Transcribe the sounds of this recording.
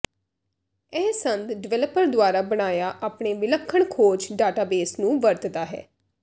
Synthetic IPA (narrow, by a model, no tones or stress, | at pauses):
ɛːsənd̪ɖɪʋɛːləpːəɾd̪ʊaːɾaːbəɽaːjaːʔaːpɳeːʋɪləkʰːəɳkʰoːd͡ʒɖaːʈaːbeːsnũːʋəɾt̪d̪aːɦɛ̰ː